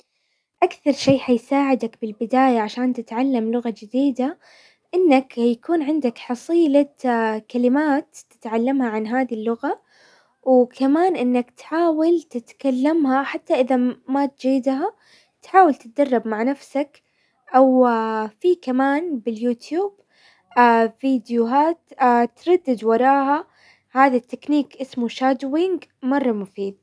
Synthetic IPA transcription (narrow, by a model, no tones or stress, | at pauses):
ʔakθɑɾˤʃeːħajsaːʕɪd̪akbɪlbɪd̪aːjaʕaʃaːnt̪ɪt̪ʕalːamlʊɣad͡ʒɪd̪iːd̪a | ʔɪnːakjakuːnʕɪnd̪akħɑsˤiːlakalɪmaːt̪ːɪ̥t̪ʕalːamhaʕanɦaːðilːʊɣa | wkʰamaːnʔɪnːakt̪ħaːwɪlt̪ɪt̪kalːamhaħat̪ːaʔɪðamat̪̚d͡ʒɪːɪd̪ɦa | t̪ħaːwɪlt̪ɪ̥t̪̚d̪ɑrˤːɑbmaʕnafsak | ʔawfiːkamaːnbɪljuːt̪juːb | ʔafiːd̪jʊɦaːt̪ʔat̪ɾˤɑd̪ːɪd̪wɑɾˤɑːha | haːðat̪ːɪkniːkʔɪsmuʃad̪wɪŋɡmɑrˤːɑmʊfiːd̪̚